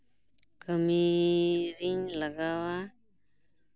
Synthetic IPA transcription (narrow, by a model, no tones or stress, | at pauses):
kəmiɾiɲlaɡawa